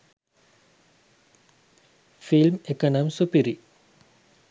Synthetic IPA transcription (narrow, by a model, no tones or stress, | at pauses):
filmekənɐmsupiɾi